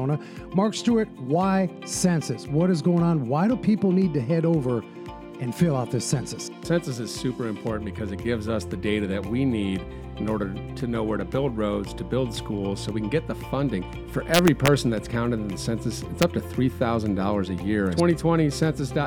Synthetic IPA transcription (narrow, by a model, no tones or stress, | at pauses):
ʊñə | mɑɹkstuɨt̚waɪ | sɛ̃nsɨswʌɾɨzɡoʊɪ̃ŋə̃nwaɪɾõʊpʰipl̩ˠnid̚tɨɦɛɾoʊvə˞ | ɨ̃nfɪlˠaʊt̪̚ðɪsɛ̃nsɨssɛ̃nsɨs̬ɨz̥sʉpə˞ɨ̃mpʰɔɹʔn̩b̥ɨkʰʌzɨt̚ɡ̥ɪvzʌsðɨdeɪɾɨðɨt̚winiɾ | ɨ̃nɔɹɾə˞ɾʰɨnoʊwə˞ɾɨbɪlˠd̚ɹoʊdz̥tʰɨbɪlˠd̥skulˠz̥soʊwikn̩ɡɛt̪̚ðəfʌ̃ndɪ̃ŋ | fə˞ʔɛvɹipʰɜ˞sn̩ðɨtskʰãʊ̃ñɨɾɨ̃n̩ðɨsɛ̃nsɨsɨtsʌp̚tɨθɹiθaʊz̃n̩dɔlˠə˞zɨjɪɹ̃wɛ̃ɾ̃itʰw̥ɛ̃ɾ̃isɛ̃nsɨsd̥ɑ